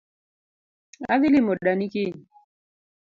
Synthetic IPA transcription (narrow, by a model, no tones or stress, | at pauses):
a̰ðilimɔɗanikiɲ